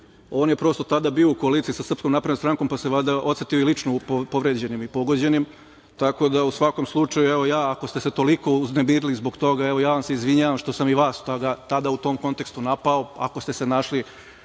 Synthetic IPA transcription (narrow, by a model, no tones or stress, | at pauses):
oːnje̞pɾo̞st̪o̞t̪ad̪abiːo̞uko̞alit̪isasr̩psko̞mnapɾed̪ost̪ɾaŋko̞mpaseʋad̪aʔot̪set̪io̞ilit͡ʃnoppoʋɾed͡ʑe̞nimipo̞ɡo̞d͡ʑe̞nim | t̪ako̞d̪ausʋako̞mslˠut͡ʃajueʋo̞jaːko̞st̪e̞se̞t̪o̞liko̞uzne̞miɾilizbo̞kt̪o̞ɡaeʋo̞jaːʋamseizʋiɲaːʋamʃt̪o̞samiʋaːst̪oɡat̪ad̪aut̪o̞ːmko̞nt̪e̞kst̪unapao̞a̰ko̞st̪e̞se̞naʃli